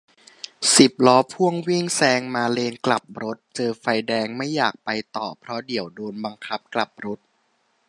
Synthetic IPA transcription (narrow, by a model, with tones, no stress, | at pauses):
si˨˩p̚lɔː˦˥pʰu˥˩əŋwi˥˩ŋsɛː˧ŋmaː˧leː˧nkla˨˩p̚ɾo˦˥t̪̚t͡ɕɤː˧fa˧jdɛː˧ŋma˥˩jːaː˨˩k̚pa˧jt̪ɔ̰ː˨˩pʰɾɔ˦˥di˩˦wdoː˧nba˧ŋkʰa˦˥p̚kla˨˩p̚ɾo˦˥t̪̚